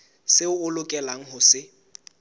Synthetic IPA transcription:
sɪʊʊlʊkʼɛlaŋ̩ɦʊsɪ

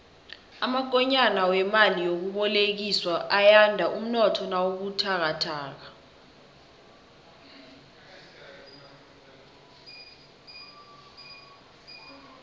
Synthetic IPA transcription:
amak̬ʼɔɲanawɛmalijok̬uɓɔlek̬iswaʔajandʱaʔum̩nɔtʰɔnawok̬utʰak̬atʰaːk̬a

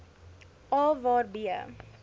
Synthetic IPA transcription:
ɔlvɑːɾbiə̰

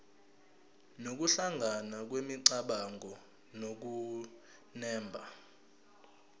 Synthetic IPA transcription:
nok̬uɬaŋɡʱanak̬wemiǀaɓaŋʱɔ | nok̬u | nɛːmbʱa

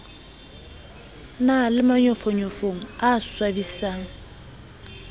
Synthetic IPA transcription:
nalɪmaɲɔfɔɲɔfoŋ̩aswabisaːŋ̩

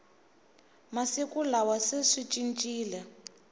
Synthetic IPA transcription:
masikulawaseʂit͡ʃʼint͡ʃʼiːlɛ

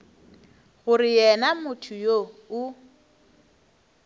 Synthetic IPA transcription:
ɣʊrɪjɛnamʊtʰʊjoʊ

